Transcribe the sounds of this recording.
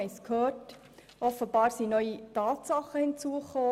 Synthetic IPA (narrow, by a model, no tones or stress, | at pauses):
ɛɪskhøːrt | ʔɔfəbɑːɾsinœʏitɑːt̪sɑχəhɪnt͡suəχoː